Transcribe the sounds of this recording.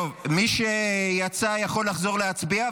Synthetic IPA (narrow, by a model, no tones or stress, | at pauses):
ovmiʃejat͡sajaχo̞lːaχzo̞ʁleat͡sbia